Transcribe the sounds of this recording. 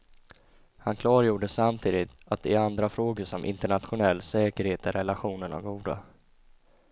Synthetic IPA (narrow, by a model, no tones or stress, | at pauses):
hankʰlɑːɾjuːɖəsamt̪ʰiːd̪ɪt̪at̪̚d̪ɛɾand̪ɾafɾoːɡəʂɔmʔɪ̰nt̪əɳat̪ɧʊnɛlːsɛːkəɾheːt̪ɛɾɛlaɧuːnənɔ̰vɡuːd̪a̰